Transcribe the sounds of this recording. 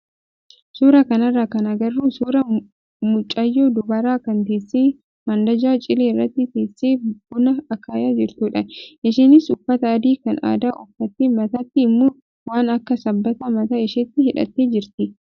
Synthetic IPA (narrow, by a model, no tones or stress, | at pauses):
suːɾɐkɐnɐrːaːkɐnɐɡɐrːuːsuːɾɐ | mʊt͡ʃʼːɐjːoːd̪ʊbɐɾaːkɐnt̪eːsːeː | mɐnd̪ɐd͡ʒaːt͡ʃʼɪleːrːɐt̪ːɪt̪eːsːeːbʊnɐɐkaːjaːd͡ʒɪɾt̪uːᶑɐjɐʃeːnɪsʊfːɐt̪ɐːd̪iːkɐna̰ːd̪aːʔɔfːɐt̪ːɪmɐt̪ɐt̪ːɪːmːʊ | waːnɐkːɐsɐbːɐt̪ɐmɐt̪aɪʃɛt̪ːɪhɪᶑɐ̰t̪ːeːd͡ʒɪɾt̪ɪ